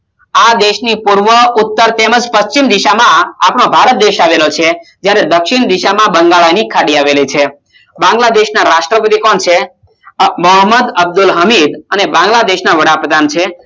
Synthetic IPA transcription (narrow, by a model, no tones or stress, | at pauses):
ad̪eʃnipuɾʋəʊt̪ːəɾt̪eməd͡ʒpəst͡ʃimd̪iʃamãa̰pɳ̃õbʱaɾət̪̚d̪eʃaʋelot͡ʃʰed͡ʒjaɾed̪əkʃiɳd̪iʃamãbə̃ŋɡaɭanikʰaɽiaʋelet͡ʃʰe | bãŋɡlad̪eʃnaɾaʃʈɾəpət̪ikɔɳt͡ʃʰe | məɦəmːəd̪əb̚d̪ulɦəmid̪ənebãŋɡlad̪eʃnaʋəɽapɾəd̪ʱant͡ʃʰe